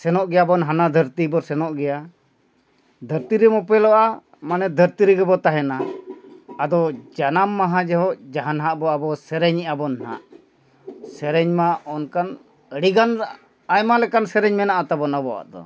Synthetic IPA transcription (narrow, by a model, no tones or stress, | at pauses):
sɛnɔʔɡɛjabɔnɦanad̪ʱəɾt̪ibɔsɛnɔʔɡɛja | d̪ʱəɾt̪iɾɛmɔpɛlɔʔa | manɛd̪ʱəɾt̪iɾɛɡɛbɔt̪aɦɛnaː | d̪ɔd͡ʒanamːaɦãd͡ʒɛɦɔʔd͡ʒaɦanɦaʔbɔabɔsɛɾɛɲɛʔabɔnha̰ʔ | sɛɾɛɲmaɔnkan | əɽiɡanɾaʔ | ajmalɛkansɛɾɛɲmɛnaʔat̪abɔnabɔwa̰ʔd̪ɔ̰